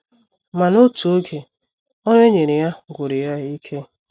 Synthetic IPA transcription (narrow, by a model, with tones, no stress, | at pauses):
ma˨no˦tu˨o˦ɡe˨ | ɔ˦ɾe˦ɲe˨ɾe˨ja˦ɡʷo˨ɾi˨ja˦i˦kʰe˦